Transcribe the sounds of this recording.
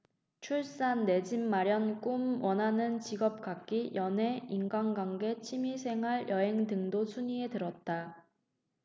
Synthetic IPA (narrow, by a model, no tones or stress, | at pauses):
t͡ɕʰuɭs͈anːe̞d͡ʑimːaɾjʌnk͈umwʌnɦanɯnt͡ɕiɡʌp̚k͈ak̚k͈ijʌne̞inɡanɡwaŋɡe̞t͡ɕʰimisʰe̞ŋɦaɭjʌɦe̞ŋdɯŋdosʰuɲie̞tɯɾʌt̚t͈a